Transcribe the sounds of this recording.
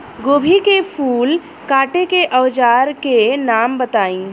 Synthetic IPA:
ɡoːbʱikepʰuːl | kaːʈekeʔɐʋd͡ʒaːɾkenaːmbət̪aːĩː

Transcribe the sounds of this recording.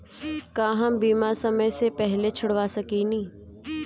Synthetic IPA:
kaːɦɐ̃mbiːmasɐməjsepɛɦlet͡ʃʰʊɽʋasɐkinĩː

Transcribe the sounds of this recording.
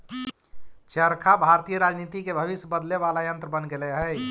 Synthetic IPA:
t͡ʃəɾkʰabʱaɾt̪ijəɾad͡ʒnit̪ikebʱəβisjəbəd̪leβalajə̃nt̪ɾəbənɡeleɦəj

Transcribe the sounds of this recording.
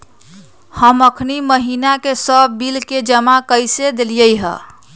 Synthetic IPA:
həməkʰniməɦinakesəbːilked͡ʒəmakəjsed̪elijəjɦə̰

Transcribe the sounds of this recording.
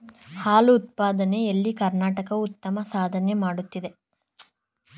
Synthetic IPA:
haːluːt̪̚paːd̪ɐne̞elːikɐɾnaːʈɐkɐut̪ːɐmɐsaːd̪ʱɐne̞maːɽut̪ːid̪e̞

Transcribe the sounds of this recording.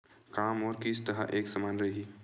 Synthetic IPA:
kaːmɔːɾkist̪ɐɦa̰ʔeːksɐmaːnɾɐɦiː

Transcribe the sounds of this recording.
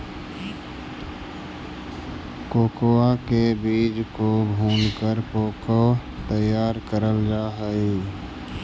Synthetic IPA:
koːkoakebiːd͡ʒkobʱuːnkəɾkoːko | t̪əjaːɾkəɾəld͡ʒaːɦəi

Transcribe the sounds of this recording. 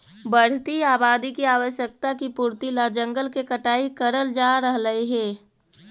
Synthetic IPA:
bəɽ̤t̪iaːbaːd̪ikiaːʋəʃjək̚t̪akipuːɾt̪ilad͡ʒə̃ŋɡəlkekəʈaːikəɾəld͡ʒaːɾəɦləiɦɛː

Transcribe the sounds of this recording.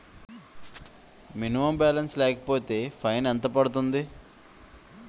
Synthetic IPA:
minimɐmbaːlɐnslɛːkɐ̥poːt̪e̞ːpʰɐjnɛnt̪ɐpɐɽut̪̬und̪i

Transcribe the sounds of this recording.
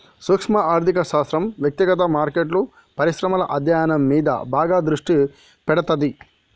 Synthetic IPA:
suːkʂmɐʔaːɾt̪ikɐʃaːst̪ɾɐmʋjɐk̚t̪iɡɐt̪̬ɐmaːɾkeːʈlu | pɐɾiʃɾɐmɐlɐʔɐd̪ʱjaːjɐnɐmːiːd̪ɐ̰baːɡaːd̪ɾuʂʈi | pɛɽɐt̪ɐd̪i

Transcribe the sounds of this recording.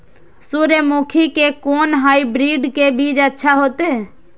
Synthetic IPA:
suɾəmuːkʰikekoːnɦaːibɾiːɖkebʱiːd͡ʒətːʃʰaɦoːt̪eː

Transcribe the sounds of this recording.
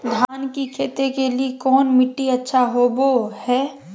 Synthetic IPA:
d̪ʱaːnkikʰeːt̪ekeliekɔːnmɪʈːiɐtːʃʰaɦobohɛː

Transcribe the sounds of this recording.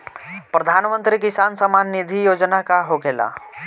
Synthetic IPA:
pɾɐd̪ʱaːnmə̃nt̪ɾikisaːnsəmaːnːɪd̪ʱijoːd͡ʒnakaɦoɡeːla̰ː

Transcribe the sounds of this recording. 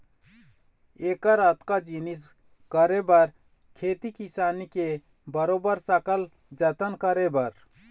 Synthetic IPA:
eːkəɾat̪kad͡ʒinis | kəɾebəɾ | kʰeːt̪ikisaːnike | bəɾoːbəɾsəkəl | d͡ʒət̪ənkəɾebəɾ

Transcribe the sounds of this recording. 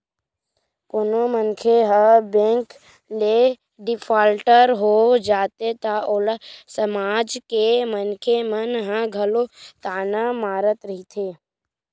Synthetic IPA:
pʊnomənkʰeɦabẽːŋk | le | ɖɪpʰaːlʈəɾɦod͡ʒaːt̪et̪aʔoːlasəmaːd͡ʒkemənkʰemənɦãɡʱəlot̪aːnamaːɾət̪ɾəɦit̪ʰeː

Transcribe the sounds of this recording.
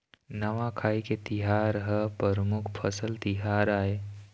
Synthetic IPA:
nəʋãkʰaːiket̪iɦaːɾɦəpəɾmʊkʰpʰəsəlt̪iɦaːɾaːe

